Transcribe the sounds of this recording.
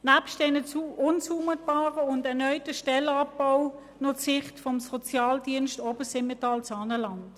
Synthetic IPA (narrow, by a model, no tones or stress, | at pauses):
næpʃt̚dɛnət͡suʔʊnt͡suːmət̚b̥aːʁəʊndɛɐnœʏtəʃtɛlɑpːaʊ | nɔt͡sɪχtfɔmsɔt͡sjɑːldiənstobəsɪmetɑːlt͡sɑːnəlɑnt